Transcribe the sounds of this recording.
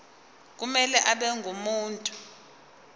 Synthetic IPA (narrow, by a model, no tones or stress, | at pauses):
k̬umɛlɛʔaɓɛŋʱumuːntʼu